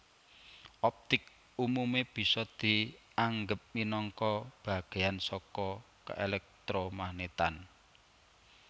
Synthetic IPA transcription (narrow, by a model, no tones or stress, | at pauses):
ʔɔp̚t̪ɪk̚ | umumeb̥i̤sɔd̪̥i̤ | aŋɡəp̚minɔŋkɔb̥a̤ɡ̥e̤jansɔkɔ | kə̰ʔelɛk̚t̪ɾomahnet̪an